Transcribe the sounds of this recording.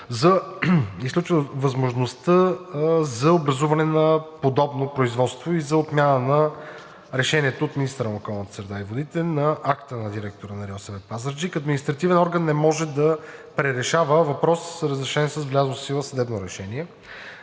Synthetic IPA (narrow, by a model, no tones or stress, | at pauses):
zɐisklʲut͡ʃvɐzmoʒnost̪ə | zɐobɾɐzuvɐnɛnɐpod̪ɔbnopɾoizvɔt̪st̪voizɐot̪mʲjanənɐ | ɾɛʃɛniɛt̪ooːt̪minist̪əɾənokɔlˠnət̪ə̥sɾɛd̪aivod̪it̪ɛnɐʔakt̪ənɐd̪iɾɛk̚t̪oɾənɐɾiɔsɛvɛt̪pazəɾd͡ʒikəd̪minist̪ɾɐt̪ivɛnɔɾɡənːɛmɔʒɛd̪ɐpɾɛɾɛʃavəvɐpɾɔsɾəzɾɛʃɛniɛsəszvlʲazosilˠəsɐd̪ɛbnoɾɛʃɛniɛ